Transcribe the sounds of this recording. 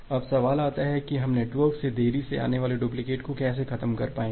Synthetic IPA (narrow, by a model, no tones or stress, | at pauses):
ɐbsɐʋaːlaːt̪aɦɛkiɦɐmneːʈʋəɾksed̪eːɾisea̰ːneʋaːleɖuːp̬lɪkeːʈkokɛːs̬exɐt̪əmkɐɾpaːẽː